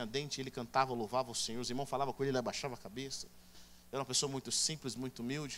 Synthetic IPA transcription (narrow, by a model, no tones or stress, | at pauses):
ɐd̪ẽnt͡ʃɪelɪkɐ̃nt̪avɐlowvavɐʊsẽɲoɾʊziɾmɐ̃w̃falavɐkõelelɪabaʃavɐakabesɐ̥ | ɛɾɐũmɐpesoɐmũj̃t̪ʊsĩplɪzmũj̃t̪ʊumiwd͡ʒɪ